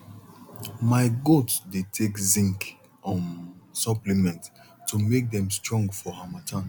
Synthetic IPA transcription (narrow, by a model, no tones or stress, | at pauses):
maɪɡotsdetʰekzĩŋk | ʔɔ̃nsɔplimɛ̃nt | tːumek̚dɛ̃mstɹɔ̃ŋɡfɔhamatʰãn